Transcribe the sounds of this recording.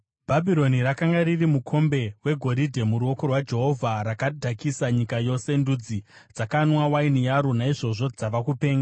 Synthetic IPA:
b̥ʱabʱiɾo̞niɾakaŋɡaririmukʰo̞mbe̞we̞ɡʱoɾidʱe̞muɾuo̞ko̞rwad͡ʒe̞ɦo̞vʱaɾakadʱakisaɲikajo̞se̞ndud͡zid͡zakanwawainijaɾunaiʐo̞ʐo̞d͡zaʋakupe̞ːŋɡa

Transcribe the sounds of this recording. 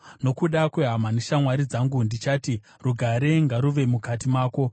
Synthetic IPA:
no̞kuɗakweɦamaniʃamwaɾid͡zaŋɡundit͡ʃaːti | ruɡʱaɾeŋɡaɾuʋe̞mukatimaːko̞

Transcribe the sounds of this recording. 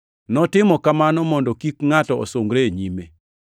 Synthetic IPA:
nɔtɪmɔkamanɔmɔndɔkikŋatɔo̰soŋɡɾeɲime

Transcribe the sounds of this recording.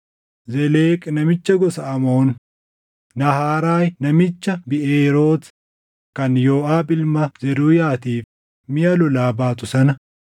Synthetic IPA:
zɛleːkʼnɐmɪt͡ʃːɐɡɔsɐɐmoːnː | ɐhaːɾaːjnɐmɪt͡ʃːɐbɪʔeːɾo̞ːt̪ | kɐnjoːʔaːbɪlmɐzɛɾuːjaːt̪iːf | mɪjɐlʊlaːbaːt̪ʊsɐnɐ

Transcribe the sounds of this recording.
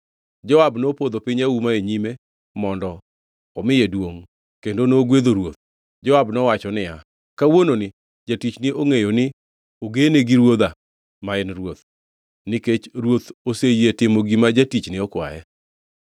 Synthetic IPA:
d͡ʒɔabnopod̪opɪɲaumaeɲime | mɔndɔ | ɔmɪjedwoŋ | kendonoɡwed̪oɾwot̪̚ | d͡ʒɔabnɔwat͡ʃɔnɪja | kawononɪ | d͡ʒatit͡ʃnɪʔoŋejonɪ | oɡeneɡiɾwod̪a | maɪnrwot̪ | nɪket͡ʃɾwot̪osejetɪmoɡimad͡ʒatit͡ʃnɪɔkwa̰jɛ

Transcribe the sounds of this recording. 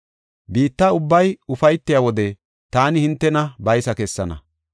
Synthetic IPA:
biːt̪ːaːʊbːɐjʊfɐjt̪ːɪjawɔd̪ɛ | t̪aːnɪhɪnt̪ːɛnɐbɐjsɐkɛsːɐnɐ̰

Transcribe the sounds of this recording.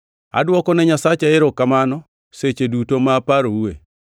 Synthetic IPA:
a̰dwɔkɔnɛɲasat͡ʃaɪɾɔkːamanɔ | set͡ʃedutomapaɾoue

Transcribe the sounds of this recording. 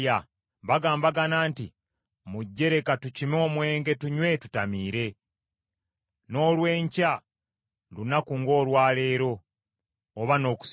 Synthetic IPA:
a | βaɡaːmbaɡanaːntḭ | muɟːe̞ɾe̞katucimo̞ːmwe̞ːŋɡe̞tuɲwe̞tutamiːɾe̞ | no̞ːlwe̞ːɲca | lunakuŋɡo̞ːlwaːle̞ːɾo̞ː | βano̞ːku̥s

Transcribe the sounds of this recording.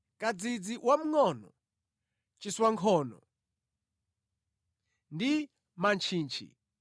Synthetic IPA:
kad͡zid͡ziwʔam̩ŋɔnɔ | t͡ʃiswaŋkʰɔːnɔ̰ | ndi | mant͡ʃʰiːnt͡ʃʰḭ

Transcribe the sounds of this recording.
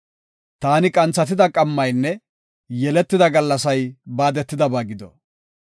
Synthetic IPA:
t̪aːnɪkʼɐnt͡sːɐt̪̬ɪd̪ɐkʼɐmːɐjnːɛ | jɛlɛt̪ːɪd̪ɐɡɐlːɐsɐjbaːd̪ɛt̪ːɪd̪ɐbaːɡɪd̪ɔ̰

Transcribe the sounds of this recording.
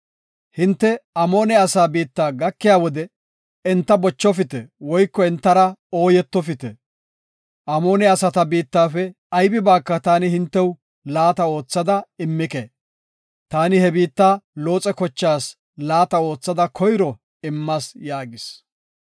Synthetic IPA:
hɪnt̪ːɛɐmo̞ːnɛɐsaːbiːt̪ːaːɡɐkːɪjaːwɔd̪ɛ | ɪnt̪ːɐbɔt͡ʃːɔfɪt̪ɛwɔjkːɔɛnt̪ːɐɾɐo̞ːjɛt̪ːɔfɪt̪ɛ̰ | ʔɐmo̞ːnɛɐsɐt̪ɐbiːt̪ːaːfɛ | ɐjbɪbaːkːɐt̪aːnɪhɪnt̪ːɛw | laːt̪ɐo̞ːt͡sːɐd̪ɐɪmːɪkeː | t̪aːnɪhɛbiːt̪ːaːlo̞ːt͡sʼɛkɔt͡ʃːaːs | laːt̪ɐo̞ːt͡sːɐd̪ɐkʰɔjɾɔ | ɪmːɐsjaːɡɪs

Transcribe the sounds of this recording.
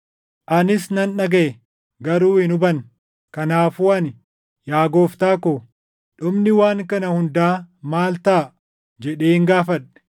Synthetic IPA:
ʔɐnɪsnɐnᶑɐɡɐɛ | ɡɐɾuːhɪnʊbɐn | kɐnaːfuːɐnɪ | jaːɡo̞ːft̪aːkoː | ᶑʊmnɪwaːŋkɐnɐhʊnd̪aːmaːlt̪aː | d͡ʒɛᶑe̞ːŋɡaːfɐᶑɛ̥

